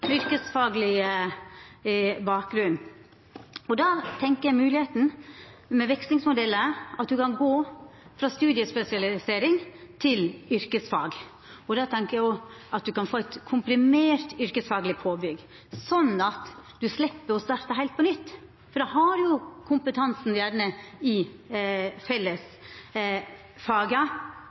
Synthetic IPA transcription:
mʏɾkəsfɑːɡlɪə | bɑːk̚ɡɾʉn | ɔd̪ɑːt̪ʰɛŋkəjæɪmʉːlɪheːt̪n̩mɛʋɛkst̪ɪŋsmʊd̪ɛlːəɑt̪̚d̪ʉkɑnɡoːfɾɑst̪ʉːd̪ɪəspɛsɪɑlɪseːɾɪŋt̪ʰɪlʏɾkəsfɑ̰ːɡ | ɔd̪ɑt̪ʰɛŋkəjæɪɔʔɑt̪̚d̪ʉkɑnfoːɛɪt̪kʰʊmpɾɪmeːɾt̪ʏɾkəsfɑːɡlɪpʰoːbʏɡ | sɔnːɑt̪d̪ʉslɛpːəɾɔst̪ɑːɾt̪əɦæɪt̪pɔnʏt̪ː | fɔɖ̪ɑɦɑɾjʊkʰʊmpət̪ʰɑnsn̩jæːɾɳəɪ | fɛlːəs | fɑːɡə

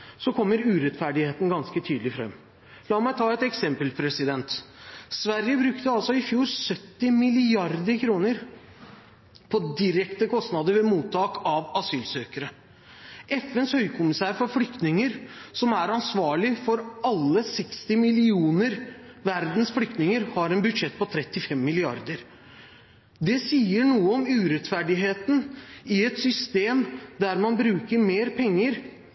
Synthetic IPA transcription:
sɔkʰɔmːəɾʉːɾɛt̪fæɖɪheːt̪n̩ɡɑnskət̪ʰyːd̪lɪfɾɛ̰mː | lɑːmæɪt̪ʰɑːɛt̪ɛksɛmpəlpʰɾɛsɪd̪ɛnt̪sʋæɾjəbɾʉkt̪əɑlsɔɪfjuːɾsœt̪ːɪmɪlɪɑɾd̪əɾkʰɾuːnəɾ | pʰɔd̪ɪɾɛkt̪əkʰɔst̪nɑd̪əɾʋɛmuːt̪ʰːɑːkɑʋɑsyːlsøːkəɾə | ʔɛfɛnshœʏkʰʊmɪsæːɾfɔɾflʏkt̪nɪŋəɾsɔmæɾɑnsʋɑːɭɪfɔɾɑlːəsɛkst̪ɪmɪlɪuːnəɾ | ʋæɾd̪n̩sfɽʏk̚t̪nɪŋəɾhɑɾɛnbʉd̪ʂɛt̪̚ːpɔt̪ʰɾɛt̪ːɪfɛmːɪlɪɑ̰ɾd̪əɾ | d̪ɛsiːəɳuːəɔmʉːɾɛt̪fæɖɪɦeːt̪nɪɛt̪sʏst̪eːmd̪æɾmɑnbɾʉːkəɾmeːɾpʰɛŋːəɾ

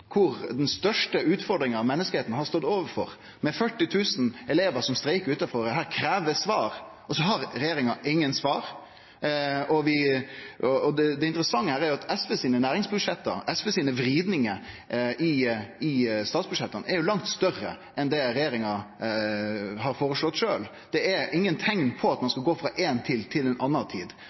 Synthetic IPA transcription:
kʰʊɾd̪ɛnst̪œʂʈəʉːt̪fɔɾɖɾɪŋənɑʋmɛnːəskəheːt̪n̩hɑst̪ɔd̪oːʋəɾfɔɾ | mɛfœʈːɪt̪ʰʉːsn̩ɛleːʋəɾsɔmst̪ɾæɪkəɾʉːt̪ɑfɔɾd̪ɛɦæːɾkʰɾæːʋəsʋɑːɾ | ɔsɔɦɑɾɾɛjeːɾɪŋɑʔɪŋːənsʋɑːɾ | ɔʋɪ | ɔɔd̪ɛd̪ɛɪnt̪ɾəsɑŋːəhæːɾɛæɾjʊɑt̪ɛsfɛsiːnənæːɾɪŋsbʉd̪ʂɛt̪ːə̰ɾɛsfəsiːnəʋɾiːd̪nɪŋə | ɪɪst̪ɑːt̪sbʉ̥ʂɛt̪ːənɛɾjʊlɑŋt̪st̪œrːə̰ | ʔɛnd̪ɛɾɛjeːɾɪŋɑ | ɦɑɾfoːɾəʂlɔt̪ːʂøːl | d̪̥ɛæɾɪŋːənt̪ʰɛŋnpʰɔɑt̪mɑnskɑɡoːfɾɑʔeːnt̪ʰɪlt̪ʰɪlɛnʔɑnːɑt̪ʰḭːd̪

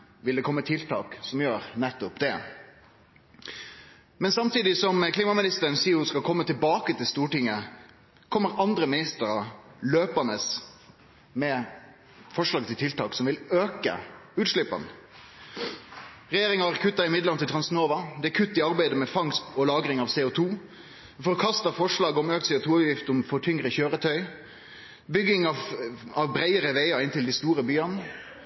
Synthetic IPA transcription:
ʋɪld̪ɛkʰɔmːət̪ʰɪlt̪ʰɑ̰ːksɔmjøːɾnɛt̪ːʊpd̪ɛ | mɛnsɑmt̪iːd̪ɪsɔmkʰliːmɑmɪnɪst̪əɾənsɪːʊskɑlkʰɔmːət̪ʰɪlbɑːkət̪ɪlst̪uːʈɪŋːə | kʰɔmːəɾɑnd̪ɾəmɪnɪst̪əɾɑløːpənəs | mɛ | fɔʂɭɑːɡət̪ɪlt̪ɪlt̪ʰɑːksɔmʋɪløːkə̰ʉːt̪ʂɭɪpːɑ̰n | ʁɛjeːɾɪŋɑæɾkʰʉt̪ːɑɪmɪd̪ləɑnt̪ʰɪlt̪ʰʁɑnsnoːʋɑd̪ɛækʰʉt̪ːɪɑɾbæɪd̪əmɛfɑŋst̪ɔlɑːɡɾɪŋɑʋsɛːʊt̪ʰuː | fɔkʰɑst̪ɑfɔʂɭɑːɡɔmøːk̪̚sɛːʊt̪ʰuːɑʋjɪft̪ɔmfɔʈʰʏŋɾəçøːɾət̪ʰœʏ | bʏɡːɪŋɑʋɑʋbɾæɪəɾəʋeɪɑɪnt̪ɪld̪ɪst̪uːɾəbyːɑn

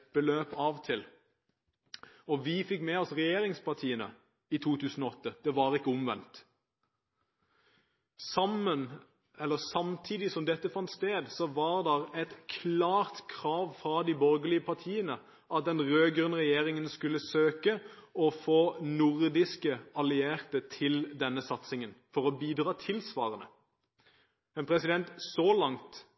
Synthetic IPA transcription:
b̥əløːpɑːʋt̪ʰɪl | ɔʋifɪkmɛɔsʁɛjeːɾɪŋspɑʁt̪ʰiːənə̰ | it̪ʰuːt̪ʰʉːsn̩ɔɔt̪ːəd̪̥ɛʋɑːʁɪkːəʊmʋɛ̰nt̪ | sɑmən | ɛlːəsɑmt̪ʰiːd̪ɪsɔmd̪ɛt̪ːəfɑnt̪st̪eːd̪sɔʋɑːʁd̪ɛʁɛt̪kʰlɑːʁt̪kʰʁɑːʋfʁɑd̪iːbɔʁɡəlɪəpʰɑʁt̪ʰiːənə | ɑt̪̚d̪ɛnʁøːɡɾʉnəʁɛjeːʁɪŋənskʉlːəsøːkəɔfoːnʊʁd̪ɪskəɑlɪeːʁt̪ət̪ʰɪld̪ɛnːəsɑt̪sɪŋənfɔʁɔbiːd̪ʁɑːt̪ʰɪlsʋɑ̰ːʁənə | mɛnpʰʁɛsɪd̪ɛnt̪sɔlɑŋt̪

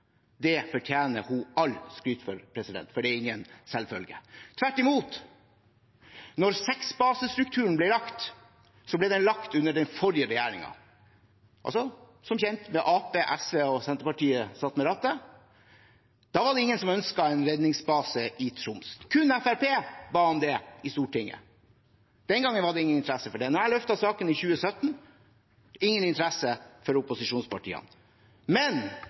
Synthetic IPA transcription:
d̪ɛfɔʈʰjæːnəhʊɑlskɾyːt̪fɔɾpʰɾɛsɪd̪ɛ̰nt̪fɔɖɛɪŋːənsɛlfœlɡə̰t̪ʰʋæʈːɪmuːt̪ | nɔɾsɛksbɑːsəst̪ɾʉk̚t̪ʰʉːəɳ̩blɛlɑkt̪ | sɔblɛd̪ɛnlɑkt̪ʉnːəɖɛnfɔɾɪəɾɛjæːɾɪ̰ŋɑ̰ | ʔɑ̰lsɔ | sɔmçɛnt̪mɛʔɑːpeːʔæsʋeːɔsɛnt̪əpɑʈiːəsɑt̪məɾɑt̪ːə | d̪̥ɑːʋɑɖɛɪŋːənsɔmœnskɑɛɪnɾɛd̪nɪŋsbɑːsəʔɪt̪ʰɾʊmst̪kʰʉnæfæɾpeːbɑːhɑnd̪ɛɪst̪uːʈʰɪŋːə̰ | d̪̥ɛnɡɑŋːənʋɑɖɛɪŋːənɪnt̪ɾæsːəfɔɖɛnɔɾælœft̪ɑsɑːkənɪçʉːəsœt̪ːn | ɪŋːənɪnt̪əɾæsəfɔɾʊpʊsɪʂuːnspʰɑʈḭːɑ̰n | mɛn

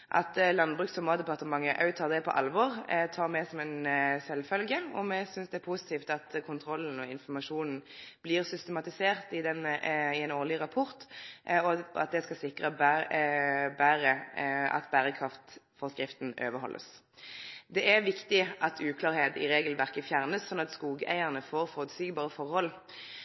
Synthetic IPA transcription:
ʔɑ̰t̪lɑnbʁʉːksɔmɑːd̪ɛpɑʁt̪əmɑŋːəʔɑ̰ʉt̪ʰɑːʁd̪ɛpʰɔ̰ʔɑ̰lʋɔʁt̪ʰɑːɾmɛsɔmɛnsɛlfœlɡəɔmɛsʏnsd̪ɛæpʰusɪ̥t̪ʰiːft̪ɑt̪kʰʊnt̪ʰɾɔlːn̩ɔɪnfɔmɑʂuːnn̩b̥liːʁsʏst̪əmɑt̪ɪseːʁt̪ɪd̪ɛnəɪɛnoːʁlɪʁɑpʰɔʁt̪ɔɑ̰t̪̚d̪ɛskɑsɪkʁəb | bæːɾəɑ̰t̪bæːɾəkʰʁɑft̪fɔʁskʁɪft̪n̩øːʋəɦɔ̰lʔə̰s | d̪ɛʔæʋɪkt̪ɪʔɑt̪ʰʉːkʰlɑːʁheːd̪ɪ̰ʁeːɡəlʋæʁkəfjæʁnəssɔnːɑt̪skuːɡəæ̰ɪəʁnəfoːʁfɔʁʉd̪syːɡbɑːʁəfɔʁhɔl

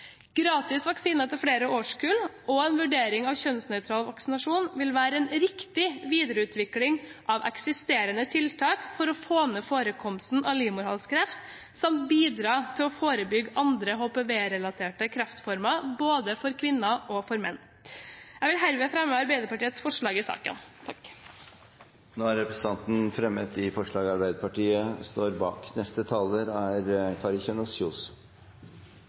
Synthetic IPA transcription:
ɡ̥ɾɑːt̪ɪsʋɑksiːnəɛt̪ɪfɽeːɾəoːʂkʉːlʔɔɛnʋʉɖeːɾɪŋɑʋçœnsnœʏt̪ʰɾɑːlʋɑksɪnɑʂuːnʋɪlʋæːɾəɛnɾɪkt̪ɪʋiːd̪əɾəʉːt̪ʰʋɪklɪŋʔɑʋʔɛ̰ksɪst̪eːɾənət̪ʰɪlt̪ʰɑːkfɔɾɔfoːnəfoːɾəkʰɔmst̪n̩ɑliːmʊɾhɑ̰lskʰɾɛft̪ | sɔmbiːd̪ɾɑːt̪ʰɪlɔfoːɾəbʏɡʔɑnd̪ɾəɦoːpeːʋeːɾɛlɑt̪ʰeːʈəkʰɾɑft̪fɔɾmɑboːd̪əfɔɾkʰʋɪnːɑʔɔfɔɾmɛnː | jæʋɪlɦæɾʋeːfɾɛmːəɑɾbæɪd̪əɾpɑʈiːət̪sfɔʂɭɑːɡɪsɑ̰ːkə̰nt̪ʰɑk | noːæɾɾɛpɾɛs̩ʰɑnt̪n̩fɾɛmːət̪ɪfɔʂɭɑːɡɑɾbæɪd̪əɾpɑʈiːəst̪oːɾbɑ̰ːknɛst̪ət̪ʰɑːləɾæɾkʰɑɾɪçɛnʊsuːs

